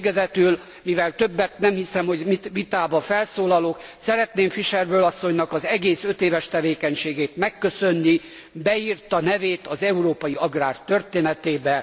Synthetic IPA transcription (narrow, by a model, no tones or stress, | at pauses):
ɡɛzɛt̪yl | mivɛlt̪ø̞bːɛt̪nɛmhisɛmho̞ɟmit̪ʋit̪aːbɒfɛlsoːlɒloksɛɾɛt̪neːmfiʃɛrbøːlɒsːo̞ɲnɒkɒzɛɡeːsø̞t̪eːvɛʃt̪ɛveːkɛɲʃeːɡeːt̪mɛkːø̞sønːi | bɛirt̪ɒnɛveːt̪ɒzɛuɾoːpɒjiɒɡraːrt̪ø̞rt̪eːnɛt̪eːbɛ